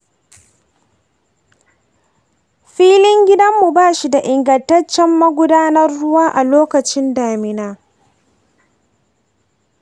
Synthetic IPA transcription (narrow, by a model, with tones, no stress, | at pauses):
ɸiː˦lɪ˦ŋɡʲɪ˦dɐ˦mːu˨baː˦ʃi˨da˨ʔɪ˨ŋɡɐ˨ntɐ˦t͡ʃːɛ˦mːɐ˦ɡʷʊ˦daː˦nɐ˦rːʊ˦waː˦ʔa˨loː˦kɐ˨t͡ʃɪ˦ndaː˨mɪ˨naː˦